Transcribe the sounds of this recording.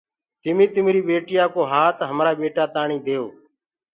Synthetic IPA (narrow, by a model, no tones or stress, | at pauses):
t̪ɪmĩːt̪ɪmɾiːɓeːʈɪjaːkoːɦaːt̪ɦəmɾaːɓeːʈaːt̪aːɳiːd̪eːoː